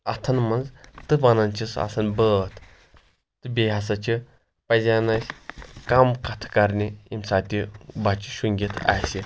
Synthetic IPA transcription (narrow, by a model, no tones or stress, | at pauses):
ɐt̪ʰɐnmɐnzt̪ɨbɐnɐnt͡ʃʰisɐ̰sɐnbət̪ʰ | t̪ɨbʲeːɦɐs̬ɐt͡ʃʰi | pɐzʲaːnɐsʲkɐmkɐt̪ʰkɐɾnʲiimsaːt̪ʲibɐt͡ʃi̥ʃuŋɡʲit̪ʰa̰ːsi